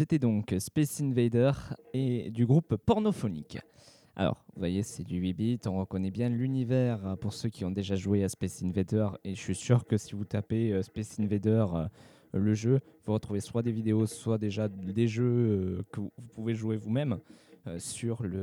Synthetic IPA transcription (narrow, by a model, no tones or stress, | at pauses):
set̪ɛd̪ɔ̃kspesinved̪œʁed̪yɡʁupːɔʁnɔfɔnḭk | a̰lɔ̰ʁvuvajesɛd̪yɥibit̪ɔ̃ʁəkɔnɛbjɛ̃lynivɛʁpuʁsøkʲiɔ̃d̪eʒaʒueaspɛsinved̪œʁeʃəʃɥisyʁkəsivut̪apeøspɛsinved̪œʁ | ləʒøvuʁət̪χuveswad̪evid̪eoswad̪eʒad̪eʒøkəvupuveʒwevumɛmøsyʁlə